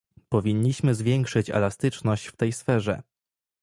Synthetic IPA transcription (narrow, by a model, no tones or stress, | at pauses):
pɔvʲiɲːiɕmɘzvʲjɛŋkʂɘt͡ɕɛ̰last̪ɘt͡ʂnɔɕt͡ɕft̪ɛjsfɛʐɛ̰